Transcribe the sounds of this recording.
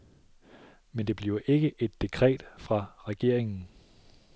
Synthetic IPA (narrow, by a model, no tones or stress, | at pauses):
mend̥e̝b̥liʊʔe̝ɡ̥əʔe̝d̥ːe̝kʰʁɛ̰ːd̥fʁɑ̈ʁɛɡ̥e̝ɐ̰e̝ŋn̩